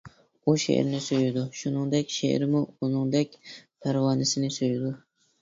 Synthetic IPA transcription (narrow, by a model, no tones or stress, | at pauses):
uʃḛʔɾnɪsojɪd̪ʊʃʊnɪŋd̪ɛkʲʃḛʔɾɪmʊʊnɪŋd̪ɛk̚ʲpʰaɾwɑnɪsɪnɪsojɪd̪ʊ